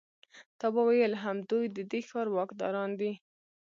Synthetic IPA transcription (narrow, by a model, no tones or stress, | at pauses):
t̪ɑbawajəlɦamd̪ujd̪əd̪exɑɾwɑkd̪ɑ̰ɾɑnd̪i